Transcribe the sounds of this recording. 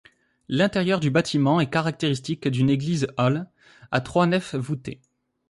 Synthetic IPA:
lɛ̃t̪eʁjœʁd̪ybat̪ʰimɑ̃ɛkaʁak̚t̪eʁist̪ikd̪yneɡlizɔl | a̰t̪χwanɛfvut̪ḛ

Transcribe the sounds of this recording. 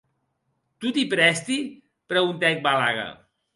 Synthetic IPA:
t̪ut̪ipɾɛst̪i | pɾəɣunt̪ɛk̚bala̰ɣə̰

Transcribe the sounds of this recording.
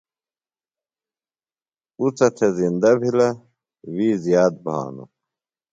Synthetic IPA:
ut͡sɐt̪ʰezind̪ɐbʱilɐ | wiːzjaːd̪̚bʱa̰ːnṵ

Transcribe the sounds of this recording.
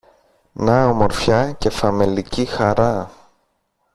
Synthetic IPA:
nɐomo̞ɾfçɐce̞fɐmelicixɐɾɐ

